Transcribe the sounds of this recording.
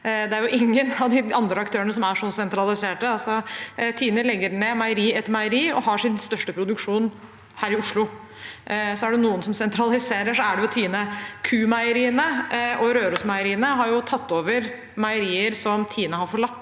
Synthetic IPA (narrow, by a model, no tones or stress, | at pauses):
d̪ɛæɾjʊʔɪŋːənɑʋd̪ɪɑnd̪ɾəɑkt̪ʰøːənəsɔmæʂɔsɛnt̪ɾɑlɪseːʈəɑlsɔt̪ʰiːnəlɛɡːəɾɳeːmæɪəɾiːɛt̪ːmæɪəɾiːɔ̰ɦɑʂɪnst̪œʂʈəpʰɾʊd̪ʉkʂuːn | hæːɾɪʊʂlʊ | sɔæɖɛnuːənsɔmsɛnt̪ʰɾɑlɪseːɾəʂɔæɖɛɔt̪ʰiːnəkʰʉːmæɪəɾiːənəʔɔɾøːɾʊsmɑɪəɾiːənəɦɑɾjʊt̪ʰɑt̪ːoːʋəɾ | mæɪəɾiːəɾsɔmt̪ʰiːnəɦɑɾfɔɭɑt̪ː